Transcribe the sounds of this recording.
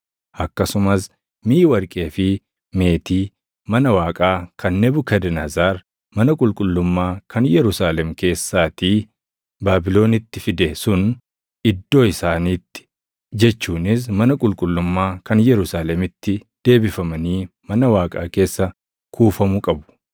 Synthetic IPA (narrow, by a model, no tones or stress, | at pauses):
ʔɐkːɐsʊmɐs | miːwɐɾkʼe̞ːfɪ | me̞ːt̪iː | mɐnɐwaːkʼaːkʰɐnːɛbʊkɐd̪ɛnɐzaːɾ | mɐnɐkʼʊlkʼʊlːʊmːaːkʰɐnjɛɾʊsaːlɛmke̞ːsːaːt̪iː | baːbɪlo̞ːnɪt̪ːɪfɪd̪ɛsʊn | ɪd̪ːo̞ːɪsaːniːt̪ːɪ̥ | d͡ʒɛt͡ʃːuːnɪs̬mɐnɐkʼʊlkʼʊlːʊmːaːkɐnjɛɾʊsaːlɛmɪt̪ːɪd̪̥e̞ːbɪfɐmɐniːmɐnɐwaːkʼa̰ːke̞ːsːɐ | kʰuːfɐmʊkʼɐbʊ̥